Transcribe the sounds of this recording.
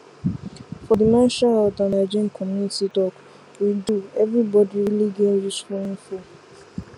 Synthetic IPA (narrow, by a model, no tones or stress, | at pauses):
fɔdimãʃaɔdanad͡ʒɛ̃nkʰɔmjunititɔk | widuɛvɾibɔdiɾiliɡeɾit͡ʃfoĩnfu